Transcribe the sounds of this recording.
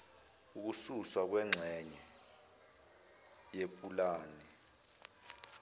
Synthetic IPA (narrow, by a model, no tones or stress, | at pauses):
uk̬ususwak̬wɛŋ͡ǁʱɛɲɛ | jepʼulaːni